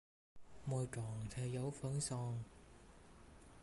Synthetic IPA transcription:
mɔː˨˧jʈ͡ʂɔː˨˩ŋt͡sʰɛː˧jɐ˨˧wfœ˨˥ŋsɔː˧ŋ

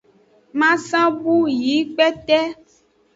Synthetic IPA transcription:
mã˦sã˦bu˦ji˨˦k͡pɛ˦t̪ɛ˦

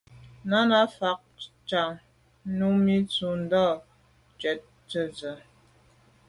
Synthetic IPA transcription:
na˦na˦fa˨k̚ | t͡ʃa˨ŋ˦ | nu˦mi˦t͡su˨n̩˦dɔ˦˨ | t͡ʃwɛ˨t̚ | tə˦d͡zə˨

